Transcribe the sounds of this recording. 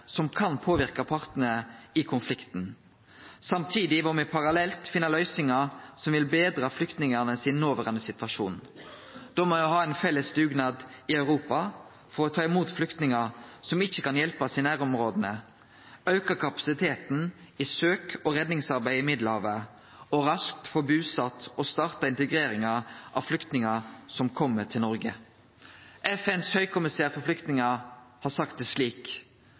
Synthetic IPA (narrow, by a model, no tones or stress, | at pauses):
sɔmkʰɑnpʰoːʋɪʁkɑpʰɑʁt̪nəəɪkʰʊnflɪkt̪n | sɑmt̪ʰiːd̪ɪʋɔmɛpʰɑɾɑlɛlt̪fɪnːəʁlœʏsɪŋɑsɔmʋɪlbeːd̪ɾɑflʏkt̪nɪŋənəsɪnnoːʋəʁɑnəsɪt̪ʋɑʃuːn | d̪̥ɔmɔɔɦɑːæɪnfɛlːəst̪ʉːɡnɑːd̪ɪœʉɾuːpɑ | fɔɾɔt̪ʰɑːɪmuːt̪flʏkt̪nɪŋɑsɔmɪçːəkɑnjɛlpɑsɪnæːɾɔmʁoːd̪ənə | ɑʉkəkʰɑpɑ̥sɪt̪ʰeːt̪n̩ | isøːkɔɾɛd̪nɪŋsɑɾbæɪɪmɪd̪lhɑːʋə | ɔɾɑsk̚t̪fɔbʉːsɑt̪ːɔst̪ɑːʁt̪ɑɪnt̪əɡɾeːɾɪŋɑʔɑ̰flʏkt̪nɪŋɑsɔmkʰɔmːətʰɪlnɔɾɡə | ʔɛfɛnshœʏkʰʊmɪsæːɾfɔflʏkt̪nɪŋɑhɑsɑkt̪əsliːk